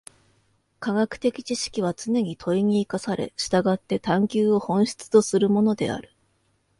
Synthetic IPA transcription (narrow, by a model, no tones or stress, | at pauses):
kaɡakɯ̟̥t̪e̞kʲi̥t͡ɕiɕi̥kʲiβ̞at͡sɨne̞ɲ̟it̪ʰo̞iɲ̟iːkasaɾe̞̰ɕi̥t̪aɡat̪ːe̞t̪ãŋkʲɨːo̞hõ̞ɰ̃ɕi̥t͡sɨ̥t̪o̞sɨɾɯ̟mo̞no̞d̪e̞̰a̰ɾɯ̟̥